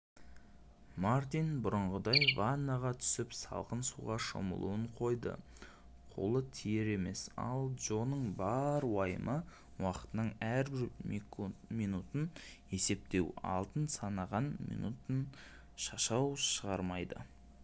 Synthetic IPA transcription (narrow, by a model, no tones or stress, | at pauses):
maɾt̪inbʊɾəɴʁəd̪ɑjvanːaʁɑt̪ʰʏ̥sɪpsɑ̰lˠqənsuʁɑʃo̰mə̰lˠṵwəɴqʰo̞jd̪ə̰ | qʰo̞̰lˠət̪ʰijeɾe̞me̞sɑ̰lˠʒo̞nəɴbɑɾwɑjə̰mʔə | wɑqə̥t̪ənəɴæɾbɪɾ | mijnut̪ən | e̞se̞p̚t̪e̞wɑ̰lˠt̪ənsɑnɑʁɑnmḭnṵt̪ən | ʃɑʃɑwʃəʁɑɾmɑjd̪ə̰